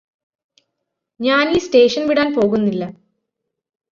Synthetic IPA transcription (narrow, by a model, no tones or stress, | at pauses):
ɲaːniːsʈe̞ːʂɐnʋiɽaːnpo̞ːɣunːilːɐ